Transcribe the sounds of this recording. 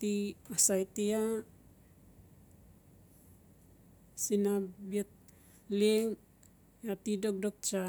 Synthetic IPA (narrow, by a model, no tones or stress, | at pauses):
t̪iasajt̪ia | sinabet̪̚ | leŋ | jat̪idok̚dok̚t͡ʃa